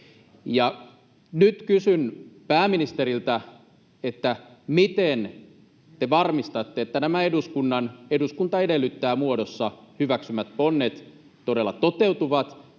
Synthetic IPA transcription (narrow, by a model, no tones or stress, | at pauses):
jɑ | nyt̪kysynpæːminist̪eɾilt̪æ | et̪ːæmit̪en | t̪eʋɑrmist̪ɑt̪ːeet̪ːænæmæeduskunːɑneduskunt̪ɑedelːyt̪ːæːmuodosːɑhyʋæksymæt̪̚ponːet̪ | t̪odelːɑt̪ot̪ewt̪uʋɑt̪